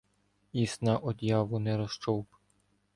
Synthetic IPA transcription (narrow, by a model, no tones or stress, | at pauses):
isnɑʔɔd̪ʲjɑʋʊnɛɾɔst͡ʃɔwp